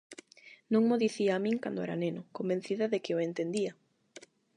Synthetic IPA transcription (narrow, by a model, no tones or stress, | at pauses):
nõŋmoðiθiaːmĩŋkand̪oɛɾa̰nenʊkomben̟θiðɐðekɪoent̪end̪iɐ